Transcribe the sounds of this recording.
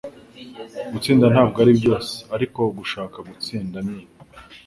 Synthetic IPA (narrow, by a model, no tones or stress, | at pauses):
ɡut͡siːndanhaːb̚ɡaːɾibɟo̞ːse̥aɾiko̞ɡuʃaːkaɡut͡siːndamɲea